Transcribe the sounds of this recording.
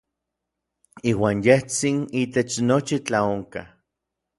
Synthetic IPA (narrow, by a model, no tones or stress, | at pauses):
iːwaːnjeht͡sinit̪et͡ʃnot͡ʃit͡ɬaoŋka